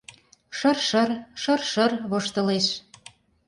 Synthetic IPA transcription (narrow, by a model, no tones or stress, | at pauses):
ʃɤrʃɤ̆rʃə̆rʃərβoʃt̪ɤ̆leʃ